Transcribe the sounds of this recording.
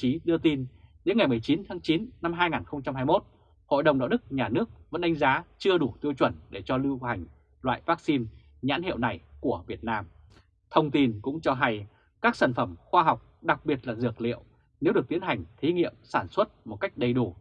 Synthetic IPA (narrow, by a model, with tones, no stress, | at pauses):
t͡ɕi˨˦ɗɨ˧ət̪i˧nɗe˨˦nŋa˨˩jmɨ˨˩əjt͡ɕi˨˦nt̪ʰaː˨˦ŋt͡ɕi˨˦nna˧mɦaː˧jŋaː˨˩nxə˧wŋ͡mt͡ɕa˧mɦaː˧jmo˦˥t̚ | ho̰˧˨jɗə˨˩wŋ͡mɗa̰˧˨wɗɨ˦˥k̚ɲaː˨˩nɨ˦˥ək̚və̰˧˥nɗa˨˦ŋ̟zaː˨˦t͡ɕɨ˧əɗu˧˩t̪i˧əwt͡ɕwə˧˩nɗe˧˩t͡ɕɔ˧lɨ˧wha˨˩jŋ̟ | lwa̰ː˧˨jvaː˦˥k̚si˧n | ɲa̰ː˧˥nhḭ˧˨wna˨˩jku˧˩əvi˨˩ət̚naː˧m | t̪ʰə˧wŋ͡mt̪i˧nkʊ̰˧˥ŋ͡mt͡ɕɔ˧ɦa˧j | kaː˦˥k̚saː˧˩nfə˧˩mxwaː˧ɦa˨˩wk͡p̚ɗa˨˩k̚ɓi˨˩ət̚laː˨˩zɨ˨˩ək̚lḭ˧˨əw | ne˨˦wɨ˨˩ət̪i˨˦ənɦa˨˩jŋ̟t̪ʰi˨˦ŋḭ˧˨əmsaː˧˩nswə˦˥t̚mo˨˩t̚ka˦˥jk̟̚ɗə˨˩jɗu˧˩